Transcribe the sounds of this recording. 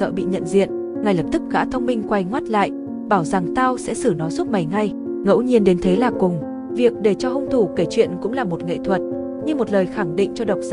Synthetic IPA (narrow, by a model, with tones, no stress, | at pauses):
ə̰ː˧˨ɓḭ˧˨ɲə̰˧˨nzḭ˧˨ən | ŋa˨˩jlə˨˩p̚t̪ɨ˦˥k̚ɣa̰ː˧˥t̪ʰə˧wŋ͡mmï˧ŋ̟kwa˧jŋwaː˦˥t̚la̰ː˧˨j | ɓaː˧˩wza˨˩ŋt̪aː˧wsɛ̰˧˥sɨ˧˩nɔ˨˦jzu˦˥t̚ma˨˩jŋa˧j | ŋə̰˧˥wɲi˧ənɗe˨˦nt̪ʰe˨˦laː˨˩kʊ˨˩ŋ͡m | vi˨˩ək̚ɗe˧˩t͡ɕɔ˧hə˧wŋ͡mt̪ʰu˧˩ke˧˩t͡ɕwḭ˧˨ənkʊ̰˧˥ŋ͡mlaː˨˩mo˨˩t̚ŋḛ˧˨t̪ʰwə˨˩t̚ | ɲɨ˧mo˨˩t̚ləː˨˩jxa˧˩ŋɗḭ˧˨ŋ̟t͡ɕɔ˧ɗə˨˩wk͡p̚za˧